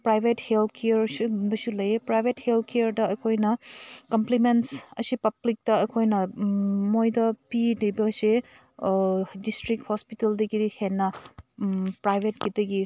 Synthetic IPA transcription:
pɾajbʱethelt̪̚ʰkʰejɐɾsubɐsulɐjepɾajbʱethelt̪̚ʰkejɐɾdɐɐkʰojnɐkɐmplimentsɐ̰sipɐblik̚tɐɐkʰojnɐmojdɐpidɐjbɐse | distɾik̚thospiteldɐɡidihenːɐ | pɾajbʱet̚kidɐɡi

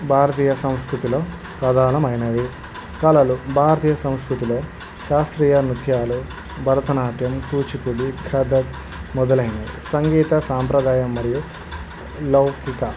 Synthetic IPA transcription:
bʱaːɾɐt̪iːjɐsɐm̃skɾut̪ilo̞ː | kɾɐd̪ʱaːlɐmɐjnɐd̪i | kɐlɐlubʱaːɾɐt̪iːjɐsɐ̃m̃skɾut̪iloː | ʃaːst̪ɾiːjɐnut̪jaːlu | bʱɐɾɐt̪ɐnaːʈjɐmkuːt͡ʃikuɽiɡʰʱɐd̪ɐt̪̚ | mɔd̪ɐlɐjnɐḭisɐŋɡiːt̪ɐsaːmpɾɐd̪aːjɐmːɐɾiju | lɐwkikɐ

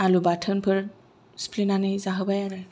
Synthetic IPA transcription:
alubatʰənpʰɯɾ | spʰlinanɯjzaɦɯbajaɾɯ

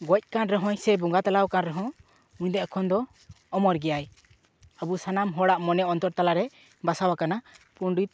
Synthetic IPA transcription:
ɡɔc̚ˀkanɾɛɦɔ̃jsɛbuŋɡat̪alawkanɾɛɦɔ̃ | uɲd̪ɛʔkʰɔnd̪ɔː | mɔɾɡɛjaj | abusanamɦɔɽaʔmɔnɛɔnt̪ɔɾt̪alaɾɛ | basawakanapuɳɖit̪̚

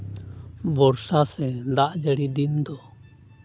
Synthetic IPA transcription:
bɔɾsasɛd̪aʔd͡ʒəɽid̪ind̪ɔ

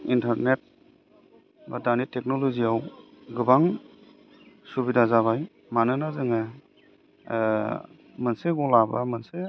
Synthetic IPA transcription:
intaɾnet̚ | ba̰danitek̚nɔlɔziaw | ɡɯbaŋ | subidazaβaj | manɯnazɯŋa | mɐnseɡɔlaba̰manse

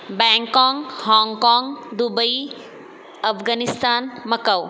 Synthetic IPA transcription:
bɛŋkɔŋhɔŋkɔŋd̪ubəj | ɐpʰɡanist̪anmɐkɐw

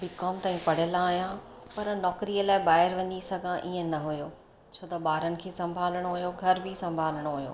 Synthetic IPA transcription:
bɪkɔːmt̪aːĩpɐɽ̤jəlãːɦjã | pɐɾnɔːkɾiəlaːɪɓaːɦɪɾʋɐ̃ɲisɐɡʱãʔiːə̃nɐɦujoː | t͡ɕʰoːt̪ɐɓaːɾənɪ̆kʰeːsɐ̃mbʱaːlɽ̃oɦʊjoɡʱɐɾbʱɪsɐ̃mbʱaːləɽ̃oɦʊjo̰ː

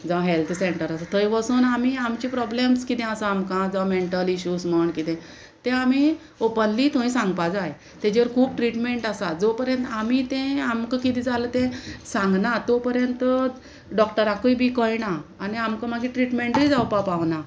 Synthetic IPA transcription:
d͡zaɦelt̪ʰseɳʈəɾasat̪ʰəjʋəsuːnam̤iamt͡ɕipɾɔblemskit̪ɛ̃asəamkãd͡zaʋmeɳʈəliɕuːsməɳkit̪ɛ̃ | t̪ɛ̃am̤i | opənlit̪õĩsãŋɡ̚pad͡zaj | t̪ed͡ʑeɾkʰuːb̚ʈɾiʈmẽɳʈasad͡zopəɾjənt̪am̤it̪ẽamkəkit̪ĩd͡zalət̪ẽsãŋɡnat̪opəɾjənt̪ə | ɖɔk̚ʈəɾakəjbikɔjnaːniamkəm̤aɡiʈɾiʈmeɳʈid͡zawpapaʋna

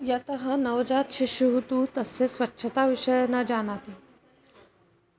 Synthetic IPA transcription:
jat̪əɦənəʋd͡zat̪ɕiɕjuɦot̪ut̪əsesʋətːɕʰət̪aʋiʂəjanad͡ʑaɽ̃at̪e

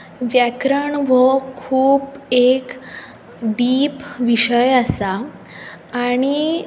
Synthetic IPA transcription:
ʋjakɾəɳʋəkʰuːbek | ɖiːpʋiɕəjasaː | ɽ̃i

